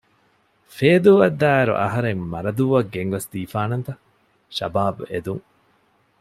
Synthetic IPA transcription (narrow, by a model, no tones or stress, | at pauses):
feːd̪uːʋɐd̪ːaːeɾṵʔɐ̰ɦɐɾeŋmɐɾɐd̪uːʋɐɡːeŋʋɐsd̪iːfaːnɐnt̪ɐ | ʃɐ̰baːbued̪uŋ